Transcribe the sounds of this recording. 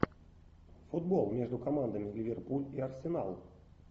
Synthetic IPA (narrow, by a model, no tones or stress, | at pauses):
fud̪bɔlˠmʲɛʐd̪ʊkamand̪ɐmʲilʲivʲerpulʲiɐrsʲɪna̰lˠ